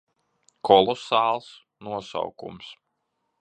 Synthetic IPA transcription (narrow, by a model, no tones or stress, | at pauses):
kʰɔlˠɔsɑːlˠs | nuɔsa̰wkṵms